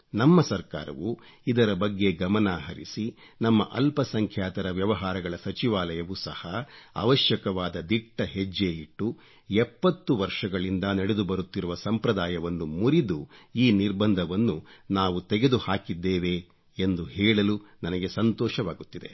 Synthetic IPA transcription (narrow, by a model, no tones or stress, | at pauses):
nɐmːɐsɐɾka̰ːɾɐ̰ʋu | id̪ɐɾɐbɐɡːe̞ɡɐmɐnaːɦɐɾḭsi | nɐmːɐ̰ʔɐlpɐsɐŋkʰjaːt̪ɐɾɐʋjɐʋɐɦaːɾɐɡɐɭɐsɐt͡ʃiʋaːlɐjɐʋusɐhɐɐ̰ʋɐʃjɐkɐʋaːd̪ɐd̪iʈːɐɦed͡ʒːeːjiʈːu | ɛpːɐt̪ːuʋɐɾʂɐɡɐɭind̪ɐnɐɽed̪ubɐɾut̪ːiɾuʋɐsɐmpɾɐd̪aːjɐʋɐnːumuɾid̪uiːniɾbɐnd̪ʱɐʋɐnːunaːʋut̪ɛɡe̞d̪uhaːkid̪ːeːʋe̞ː | nd̪uhɛːɭɐlunɐnɐɡe̞sɐnt̪ɔːʃɐʋaːɡut̪ːid̪e̞̰